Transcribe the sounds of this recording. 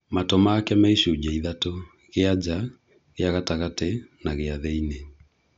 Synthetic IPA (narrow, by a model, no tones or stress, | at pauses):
matomakɛmɛiʃud͡ʒɛiðato | ɣead͡ʒa | ɣeaɣataɣatenaɣeaðɛine